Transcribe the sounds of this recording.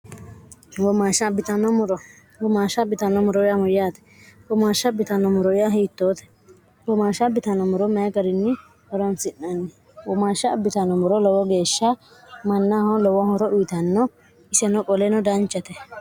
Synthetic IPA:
wɔmaʃɐbɪt̪ɐnɔɾ | wɔmaːʃɐbɪt̪ɐnːɔmʊɾɔɪjamɔjaːt̪ɛ̥ | wɔmaːʃɐbːɪt̪ɐnɔmʊɾɔɪjaɦiːt̪ːoːt̪ɛ̥ | wɔmaːʃɐbɪt̪ɐnɔmʊɾɔmɛɡɐɾɪnːɪ | hɔɾɐnsɪnːɐnːɪ | wɔmaːʃːɐːbːɪt̪ɐnɔmʊɾɔlɔwɔɡe̞ːʃːɐ | mɐnːahɔlɔwɔhɔɾɔʔʊjt̪ɐnːɔ | ɪsɛnɔkʼɔlɛnɔd̪ɐnt͡ʃːɐt̪ɛ

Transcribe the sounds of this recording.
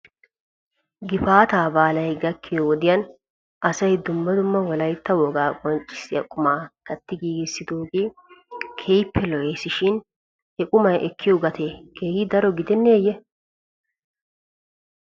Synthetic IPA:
ɡɪfaːt̪aːbaːlɐjɡɐkʰːɪjɔwɔd̪ɪjɐn | ɐsɐjd̪ʊmːɐd̪ʊmːɐwɔlɐjt̪ːɐwɔɡaːkʼɔnt͡ʃʼːɪ̥sɪjɐ̰kʼʊmaːk̪ɐt̪ːɪɡiːɡɪsːɪd̪uːɡɪ | kʰejpʰːɛlɔjesɪʃɪn | hɛkʼʊmɐjʔɛkːɪjɔɡɐt̪ʰekʰe̞ːhɪd̪ɐɾɔɡɪd̪ɛnːeːjɛ

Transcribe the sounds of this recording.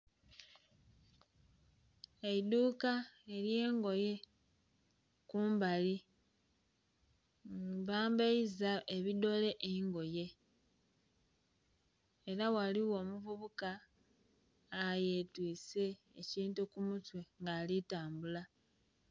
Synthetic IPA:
eiduːkae̞ɾje̞ːŋɡo̞je̞ | kuːmbali | βaːmbeizae̞βido̞le̞ʔeŋɡo̞je̞ | e̞ɾawaliwo̞ːmuvuβuka | je̞twiːse̞ː | ciːntukumutwe̞ŋɡaːlitaːmbula

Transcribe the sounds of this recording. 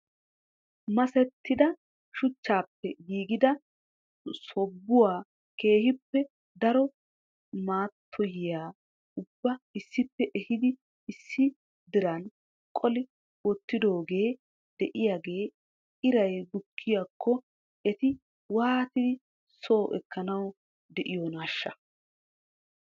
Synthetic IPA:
mɐsɛt̪ʰːɪd̪ɐ | ʃʊt͡ʃːaːpːɛɡiːɡɪd̪ɐ | sɔbːʊwaː | ke̞ːhɪpːɛ | d̪ɐɾɔ | maːt̪ʰːɔjɪjaː | ʊbːɐɪsːɪpːɛʔɛhɪd̪ɪ | ɪsːɪ | d̪ɪɾɐn | kʼɔlɪ | wɔt̪ːɪd̪o̞ːɡe̞ː | d̪̥ɛʔɪjaːɡeː | ɪɾɐjɡʊkʰːɪjaːkʰːɔ | ɛt̪ɪ | waːt̪ɪd̪ɪ | so̞ːʔɛ̰kːɐnɐw | d̪ɛʔɪjonaːʃːɐ

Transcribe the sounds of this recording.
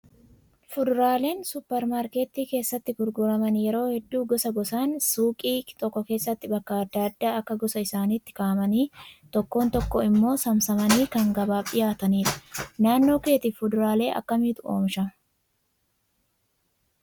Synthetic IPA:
fʊd̪ʊɾaːle̞ːnsʊpːɛɾmaːɾkeːt̪iːke̞ːsːɐt̪ːɪɡʊɾɡʊɾɐmɐnjɛɾo̞ːhɛd̪ːuːɡɔsɐɡɔsaːnsuːkʼiːt̪ʼɔkːɔke̞ːsːɐt̪ːɪbɐkːɐɐd̪ːaɐd̪ːaːɐkːɐɡɔsɐɪsaːnit̪ːɪ̥kaːmɐniːt̪ɔkːo̞ːnt̪ɔkːɔɪmːo̞ːsɐmsɐmɐniːkɐŋɡɐbaːpʼːɪjaːt̪ɐniːᶑ̪ɐ̥naːnːo̞ːke̞ːt̪ɪːfʊd̪ʊɾaːle̞ːʔɐ̰kːɐmiːt̪ʊʔo̰ːmʃɐ

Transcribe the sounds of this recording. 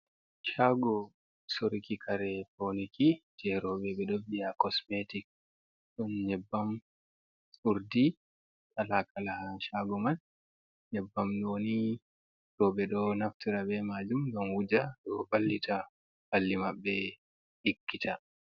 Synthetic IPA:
ʃaɡɔ | soɾikikʰaɾɛponikid͡ʒɛɾɔɓɛɓɛɗɔbijakɔsmetik̚ | ɗɔnɲɛbːam | uɾdi | talakalahaʃaɡɔman | ɲɛbːamnoni | ɾɔɓɛɗɔnaftiɾaɓɛmad͡ʒumɡamwud͡ʒaɗɔbalːitʰa | b̥alːimaɓːɛ | ɗikːita

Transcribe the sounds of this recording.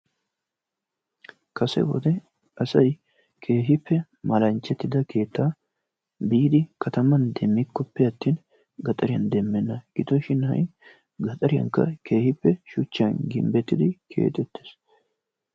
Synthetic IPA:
kɐsɛ̰wɔ̰d̪ɛ | ɐsɐj | kʰe̞ːɦɪpːɛ | mɐlɐnt͡ʃːɛt̪ːɪd̪ɐkʰe̞ːt̪ːaː | biːd̪ɪkʰɐt̪ɐmɐnd̪ɛmːɪkːɔpːɛɐt̪ːiːn | ɡɐt̪ʼɐɾɪjɐnd̪ɛmːɛnːɐɡ̥ɪt̪ːɔʃɪnɐ̰j | ɡɐt̪ʼɐɾɪjɐ̰ŋkːɐ̰ke̞ːhɪpːɛʃʊt͡ʃːɐnɡɪ̰mbɛt̪ːɪd̪ɪkʰe̞̰ːt̪ʼɛt̪ːe̥s

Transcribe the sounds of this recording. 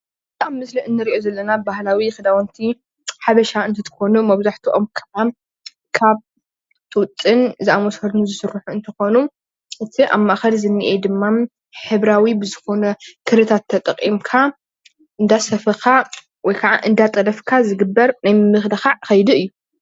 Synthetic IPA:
bɨt̪ʼamːɨsliɨnːɨɾiʔo̞zɐlːɐnabahlawixɨd̪awɐnt̪ʰi | ħaβɐʃaɨnt̪ʰɐt̪ʰɨ̥xo̞numɐβzaħt̪ʰuʔomkʰɐam | kʰaβ | t̪ʰɨwʊt͡s̪ʼːɨnziʔamosɐd̪nuzɨsɨrːuħuɨnt̪ʰɐxo̞nu | ʔɨt̪ʰiʔa̰mːaʔxɐlzɨnːɨʔed̪ɨmːam | ħɨβɾawibɨzɨxo̞nɐkʰɨɾɨt̪ʰat̪ʰːɐt̪ʼɐqʼːimkʰa | ʔɨnd̪asɐfɐxa | wɔjkʰaʕa̰ʔɨnd̪at̪ʼɐlɐfkʰazɨɡɨbːɐɾnajmɨxlɐxaxɐjd̪uɨjːu

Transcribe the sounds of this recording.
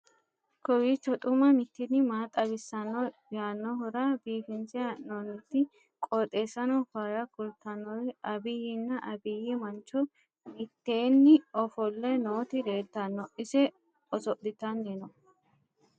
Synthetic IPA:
kɔwit͡ʃːɔt̪ʼʊmɐmɪt̪ːɪnɪmaːt̪ʼɐbɪsːɐnːɔjaːnːɔɦʊɾabiːfɪnt͡sɪaʔnɔnːɪt̪ːɪ | kʼɔt̪ʼe̞ːsɐnɔfaːjɐkʊlt̪ɐnːɔwɛʔɐbɪjɪnːɐʔɐbɪjɛmɐnt͡ʃːɔ | mɪt̪ːeːnːɪɔfɔlːɛnoːt̪ɪd̪eːt̪ːɐnːɔʔɪsɛ | ɔsɔʔd̪ɪt̪ɐnːenɔ

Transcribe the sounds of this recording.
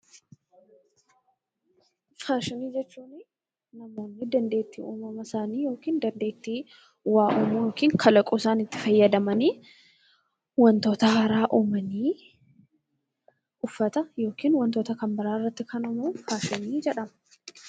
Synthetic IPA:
faːʃɪniːd͡ʒɛt͡ʃːuːnɪ | nɐmo̞ːnːɪd̪ɐnd̪e̞ːt̪ːḭːuːmɐmɐsaːniːjo̞ːkiːnd̪ɐnd̪e̞ːt̪ːiː | waːʔuːmujo̞ːkiːŋkʰɐlɐkʼusaːnɪt̪ːɪ̥fɐjːɐd̪ɐmɐniː | wɐnt̪o̞ːt̪ɐɦɐɾaːʔuːmɐniː | ʔʊfːɐt̪ɐjo̞ːkiːnwɐnt̪oːt̪ɐkɐmbɪɾaːɪrːɐt̪ːɪkʰɐnɔmɐfaːʃɪniːd͡ʒɛᶑɐmɐ

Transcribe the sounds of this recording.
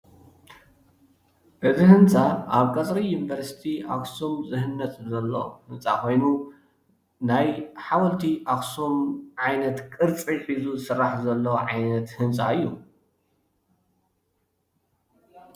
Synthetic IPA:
ʔɨzihɨnt͡sʼaʔaβkʼɐt͡sʼɾijunvɐɾsi̥t̪ʰiʔa̰ksomzɨɦɨnːɐt͡s̪ʼzɐlːowhɨnt͡sʼa̰kʰo̞jnu | najħawɐlt̪ʰiʔaksomʕajnɐt̪kʼɨɾt͡sʼiħizuzɨsɨrːaħzɐlːɐwʕajnɐt̪hɨnt͡sʼaɨjːu

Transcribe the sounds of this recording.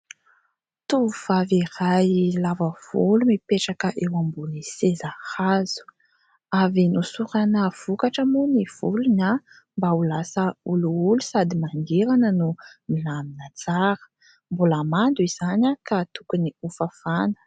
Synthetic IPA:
t̪uuv̥avirajlavəv̥ulumipeʈ͡ʂakəʔewambunisezahazu̥ | avinusuɾanəv̥ukaʈ͡ʂəmuniv̥uluna | mbaulasəuluulu̥sad̪imanɡ̪eɾanənumilaminat͡saɾə̥ | mbulamand̪uiz̥anakat̪ukuniufafanə̥

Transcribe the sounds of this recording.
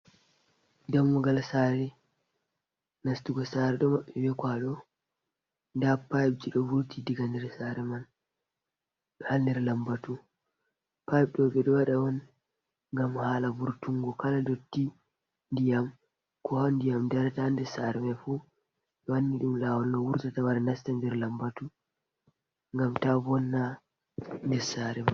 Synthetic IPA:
damːuɡalsaɾɛ | nastuɡɔsaɾɛɗɔmaɓːɛbɛkwaɗɔ | ndapajb̚d͡ʒiɗɔvuɾtidiɡandɛɾsaɾɛman | ɓɛhandɛɾlambatu | pajb̚ɗɔɓɛɗɔwaɗawɔn | ŋɡamhaːlabuɾtuŋɡɔkaladotːi | ndijam | kɔhandijamdɛɾatandɛsaɾɛmafu | ɓɛwanːiɗumlawɔlnɔwuɾtatawaɾanastandɛɾlambatu | ŋɡamtabɔnːa | ndɛɾsaɾɛman

